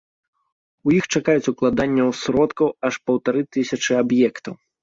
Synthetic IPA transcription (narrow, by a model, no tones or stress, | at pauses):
ujixt͡ʂakajut͡sʲuklˠad̪anʲːɐwsɾɔt̪kɐwɐʂpɐwt̪aɾɨt̪ɨsʲɐt͡ʂɨabjɛkt̪ɐw